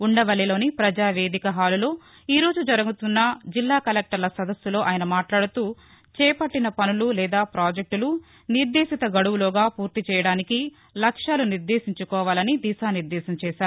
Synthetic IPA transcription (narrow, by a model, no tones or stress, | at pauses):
uɳɖɐʋɐlilo̞ːnipɾɐd͡ʒaːʋe̞ːd̪ikɐɦaːlulo̞ː | iːɾo̞ːd͡ʒud͡ʒɐɾɐɡut̪unːɐd͡ʒilːaːkɐlek̚ʈɐɾlɐsɐd̪ɐsːulo̞ːʔaːjɐnɐmaːʈlaːɽut̪uː | t͡ʃɛːpɐʈːinɐpɐnululɛːd̪aːpɾaːd͡ʒek̚ʈulu | niɾd̪eːʃit̪ɐɡɐɽuʋulɔːɡaːpuːɾt̪it͡ʃɛːjɐɽaːniki | lɐkʂaːluniɾd̪eːʃiɲt͡ʃukɔːʋaːlɐnid̪iːsaːniɾd̪ɛːsɐmt͡ʃɛːʃaːɾu